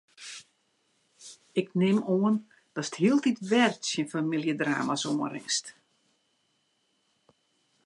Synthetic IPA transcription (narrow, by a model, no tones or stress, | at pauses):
ɪknɪmoən | d̥ɔsə̥thiəlˠtitʋɛrtsjənfamilˠjədra̰ːmasoːənɾɪ̰ŋst